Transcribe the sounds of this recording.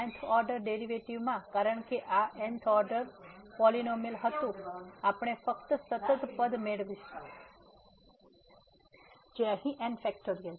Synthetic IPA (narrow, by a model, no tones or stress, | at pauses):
nt̪ʰɔɾɖəɾɖeɾiʋeʈiʋmãkaɾəɳkeʔaʔent̪ʰɔɾɖəɾpɔlinomilɦət̪ũapɳ̃efəkt̪əsət̪ət̪pəd̪meɭʋi | d͡ʒeəɦĩʔenfɛkʈoɾijəl